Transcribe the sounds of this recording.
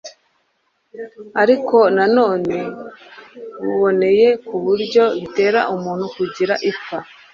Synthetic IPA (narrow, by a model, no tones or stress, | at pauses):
aɾiko̞nano̞ːne̞ | βuβo̞ne̞je̞kuβuɾɟo̞βite̞ːɾa̰ʔumuːnhukuɟiɾaʔifa